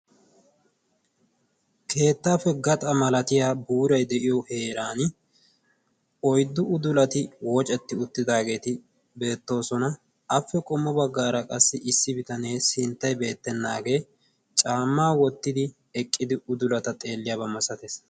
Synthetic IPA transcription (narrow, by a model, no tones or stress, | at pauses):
kʰe̞ːt̪ːaːfɛɡɐt̪ʼɐmɐlɐt̪ɪjaːbuːɾɐjd̪ɛʔɪjɔhe̞ːɾaːn | ʔɔjd̪ːʊʊd̪ʊlɐt̪ɪwoːt͡ʃʼɛt̪ːɪʊt̪ːɪd̪aːɡe̞ːt̪ɪ | be̞ːt̪ːo̞ːsɔnɐ | ɐfːɛkʼɔmːɔbɐɡːaːɾɐkʼɐsːɪʔɪsːɪbɪt̪ɐne̞ːsɪnt̪ːɐjbe̞ːt̪ːɛnːaːɡe̞ː | t͡ʃʼaːmːaːwɔt̪ːɪd̪ɪ | ɛkʼːɪd̪ɪʊd̪ʊlɐt̪ɐt̪ʼe̞ːlːɪjabɐmɐsɐt̪es